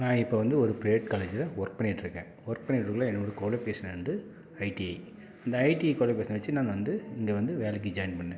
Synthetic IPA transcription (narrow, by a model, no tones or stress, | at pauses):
nãːɪpːoʋɐnd̪ɯɔɾɯpɾɐɛʈkaːled͡ʒɪlɐʋɔɾk̚pɐɳɪʈːɪɾɯkːẽːʋɔɾk̚pɐɳːɪʈːɯkːɐlãːɛnːoːɽɯkoːlepeːʂɐnɛɾɯnd̪ɯ | ɐɪʈiɐɪ | ɐnd̪ɐɐɪʈiɐɪkoːlɐp̬eːsɐnʋɐt͡ʃːɯnaːnʋɐnd̪ɯɪŋɡeːʋɐnd̪ɯʋeːlɛk̬ːid͡ʒɐːɪnpɐɳːẽ